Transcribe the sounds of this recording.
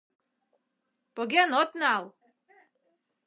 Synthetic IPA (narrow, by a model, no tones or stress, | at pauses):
poɡʲenɔt̪nalˠ